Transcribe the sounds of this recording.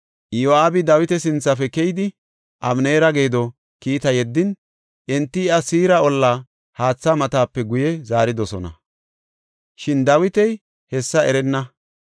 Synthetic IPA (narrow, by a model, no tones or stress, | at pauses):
ʔjoaːbɪd̪ɐwɪt̪ɛsɪnt͡sːɐfɛkɛjɪd̪ɪ | ʔɐmneːɾɐɡeːd̪ɔ | kiːt̪ɐjɛd̪ːɪn | ʔɛnt̪ːɪɪɐsiːɾɐɔlːa | haːt͡sːamɐt̪aːpːɛɡʊjɛzaːɾɪd̪ɔsɔnɐ̰ | ʃɪnd̪ɐwɪt̪ɛj | hɛsːɐɛɾɛnːɐ